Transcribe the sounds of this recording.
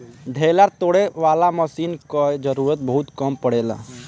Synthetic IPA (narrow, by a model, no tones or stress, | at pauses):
ɖʱeːlaɾt̪oːɽeʋaːlaməsiːnkad͡ʒəɾuːɾət̪̚bəɦʊt̪kəmpəɽeːla̰ː